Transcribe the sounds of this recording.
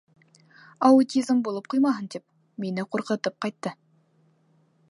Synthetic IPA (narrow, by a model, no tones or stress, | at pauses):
ɐʊt̪ʲizmbulˠɤp̚qujmɑɦɤnt̪ip̚ | minɘquɾqɤ̆t̪ɤp̚qɑjt̪ːɤ